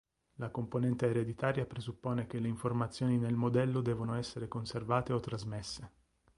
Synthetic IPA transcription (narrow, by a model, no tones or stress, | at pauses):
lakomponɛnt̪eːɾed̪it̪aːɾjapɾezupːoːnek̟elːeiɱformat̪sːjoːninelmod̪ɛlːod̪ɛːvonoɛsːeɾekonservaːt̪eot̪ːɾazmesːe